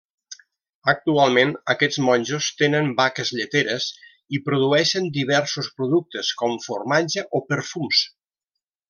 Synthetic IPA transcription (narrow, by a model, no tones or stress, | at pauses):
ək̚t̪ualˠmenəkɛd͡zmɔnʲʒost̪enəmbakəzʎət̪eɾəs | ipɾuðuɛʃənd̪iβ̞ɛɾsuspɾuðuk̚t̪əskɔmfurmad͡ʒəʔopəɾfums